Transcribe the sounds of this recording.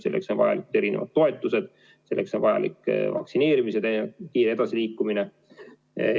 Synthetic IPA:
se̞lːʔekso̞nvɑjɑ̰likud̪̥e̞ɾine̞vɑ̰d̪̥̚t̪ːo̞e̞t̪ˑːuse̞d̪̥ | se̞lːe̞kso̞nvɑjɑ̰lḭkːvɑ̰ksine̞ːɾimised̪ekiːɾe̞d̪̥ɑsiliːkːumine

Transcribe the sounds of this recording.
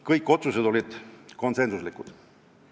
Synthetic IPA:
kɤjkːˑo̞t̪sused̪o̞lʲid̪̥ko̞nse̞nsuslikud̪̥

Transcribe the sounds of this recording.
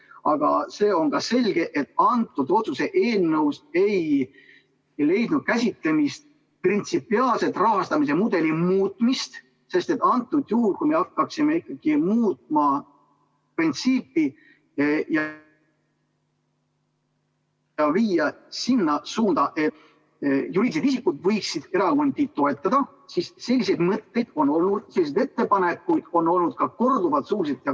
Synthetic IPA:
ɑɡ̥ɑ̰se̞ːo̞nɡ̥ɑse̞lʲɡ̥e̞ʔet̪ːˑɑnt̪ːˑud̪̥o̞t̪suse̞ʔeːlnːəwse̞j | le̞jd̪̥nud̪̥̚kæsʲit̪le̞mist̪̚ | print̪sipːˑiɑːlse̞t̪ːˑrɑɦɑst̪ɑmis̬e̞mud̪̥e̞limuːt̪ˑmist̪ | se̞st̪e̞t̪ːˑɑnt̪ːˑud̪̥juhulkujmeɑkːɑksime̞ikːˑɑɡ̥imuːt̪ˑmɑ | print̪siːpːˑi | jɑ | ɑviːjɑsinːɑsuːnd̪̥ɑʔe̞t̪ | julised̪isikːˑud̪̥vɤjksid̪̥e̞ɾɑond̪it̪̚t̪ːo̞e̞t̪ːˑɑd̪̥ɑ | sisse̞lːise̞jd̪̥mɤt̪ːe̞jd̪̥o̞nːo̞lnud̪̥se̞lːised̪e̞t̪ːe̞pɑne̞kːˑujd̪̥o̞nːo̞lnud̪̥̚kɑko̞rd̪uvɑlt̪suːlis̬et̪ˑjɑ

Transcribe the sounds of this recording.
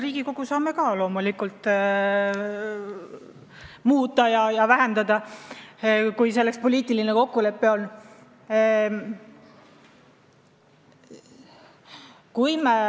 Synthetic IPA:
riːɡ̥iko̞ɡ̥usɑːme̞kɑlo̞ːmulikult̪ːˑ | muːt̪ːˑɑjɑjɑvæɦe̞nd̪̥ɑd̪̥ɑ | kujse̞lːekspo̞lʲiːt̪ːˑilineko̞kːule̞pːe̞o̞nː | kujme

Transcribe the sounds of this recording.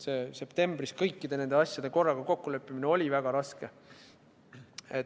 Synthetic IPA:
se̞ːse̞pt̪e̞mb̥riskɤjkːid̪̥e̞ne̞nd̪e̞ɑsʲjɑd̪̥e̞ko̞rːɑɡ̥ɑko̞kːuløpːimineo̞lʲivæɡ̥ɑɾɑske̞ | et

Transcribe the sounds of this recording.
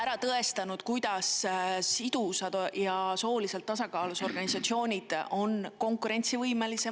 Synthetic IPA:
æɾɑt̪ɤe̞st̪ɑnud̪̥kujd̪̥ɑsː | id̪̥usɑd̪jɑso̞ːlise̞lt̪ːɑsɑkɑːluso̞rɡ̥ɑnisɑt̪sio̞ːnʲid̪̥o̞nko̞ŋkuɾe̞nʲt̪sivɤjme̞lise

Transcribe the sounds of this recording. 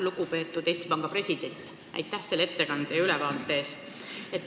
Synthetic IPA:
luɡ̥upe̞ːt̪ːˑud̪̥e̞st̪ipɑŋɡ̥ɑpre̞sʲid̪̥e̞nʲt̪ˑ | ʔæ̰jt̪ːˑæhse̞lːee̞t̪ːe̞kɑnd̪̥ejɑylɛvɑːlt̪ːˑeeːst̪ | e̞t̪ː

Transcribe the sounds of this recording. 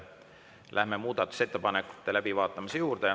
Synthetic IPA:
lʔæhmemuːd̪̥ɑt̪ːˑu̥se̞t̪ːe̞pɑnekːˑu̥t̪ːe̞læb̥ivɑːt̪ˑːɑmisejuːrd̪̥e

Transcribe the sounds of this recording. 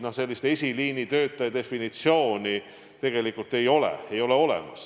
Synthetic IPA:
nohse̞lʲːist̪e̞sʲiliːnit̪ø̞ːt̪ːˑɑjɑd̪e̞finit̪sio̞ːni | t̪e̞ɡ̥e̞likˑult̪e̞jo̞lḛejo̞leo̞lḛmɑ̰s

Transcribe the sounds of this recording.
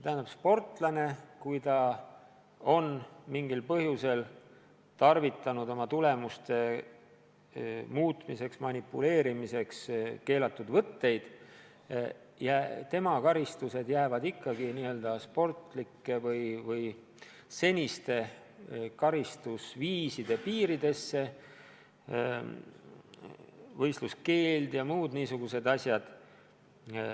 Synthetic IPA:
t̪æɦænd̪ɑbspo̞rt̪ˑlɑne̞kujt̪ɑ | o̞nmiŋɡilpɤɦjuse̞l | t̪ɑrvit̪ːˑɑnud̪o̞mɑt̪ule̞must̪e̞ | muːt̪mise̞ksmɑnipːule̞ːɾimise̞kske̞ːlɑt̪ːˑud̪̥vɤt̪ːe̞jd̪̥ | jæt̪e̞mɑkɑɾist̪use̞d̪jæːvɑd̪ikːɑɡiniːø̞ld̪̥ɑspo̞rt̪ˑlikːe̞vɤjvɤj | se̞nʲist̪e̞ | kɑɾist̪usviːsid̪̥e̞piːɾid̪e̞sːe̞ | vɤjst̪luske̞ːld̪jɑmuːd̪̥niːsuɡ̥use̞d̪ɑsʲjɑd̪̥

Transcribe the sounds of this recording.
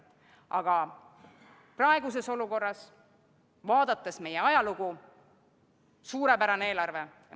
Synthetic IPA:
ʔɑɡ̥ɑ | prɑeɡuse̞so̞luko̞rːɑs | vɑːd̪̥ɑt̪ːˑesme̞jeɑjɑluɡ̥u | suːɾe̞pæɾɑneeːlɑrve̞

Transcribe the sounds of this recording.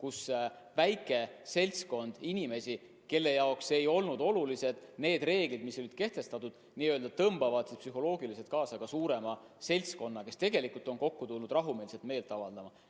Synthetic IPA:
kus | væjkːˑe̞se̞lʲsko̞nd̪̥inime̞sʲi | ke̞lːe̞jɑokse̞jo̞lnud̪o̞lulise̞d̪̥ne̞ːd̪re̞ːɡ̥lid̪̥miso̞lid̪̥ke̞ht̪e̞st̪ɑt̪ud̪̥niøːld̪̥ɑt̪ɤmb̥ɑvɑd̪̥sit̪psyɦo̞lo̞ːɡilise̞t̪̚kɑːsɑɡ̥ɑsuːɾe̞mɑ | se̞lʲsko̞nːɑke̞st̪e̞ɡe̞likˑult̪ˑo̞nko̞kːut̪ulnud̪rɑɦumeːlse̞lt̪me̞ːlt̪ːˑɑvɑld̪̥ɑmɑ

